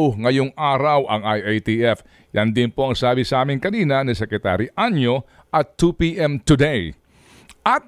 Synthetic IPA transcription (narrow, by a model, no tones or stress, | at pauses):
wŋɐjʊŋʔaːɾɐwʔɐŋajajt̪iʔɛf | jɐnd̪ɪnpoɐŋsaːbisɐʔaːmɪŋkɐniːnɐnɪsɛkɾɛt̪a̰ːɾiʔanjo | ʔɐt̪ːupiʔɛmt̪ʊd̪ɛj | ʔat̪̚